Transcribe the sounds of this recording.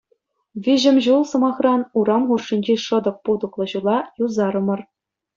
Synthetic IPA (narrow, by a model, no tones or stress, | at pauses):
ʋʲiʑɘ̆mʲʑulˠsɤ̆mɑχrɑnuɾɑmχurʂːinʲd͡ʑeʂɤ̆d̪ɤ̆k̚pud̪ɤ̆klˠɤ̆ʑulˠɑjuzɑɾɤ̆mɤ̆r